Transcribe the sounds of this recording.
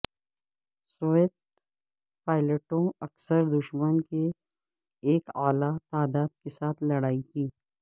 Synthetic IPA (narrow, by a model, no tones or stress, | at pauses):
soːet̪̚ | paːɪləʈõɐksəɾd̪ʊʃmənke | eːkaːlat̪aːd̪aːd̪̚kesaːt̪ʰlɐɽaːikiː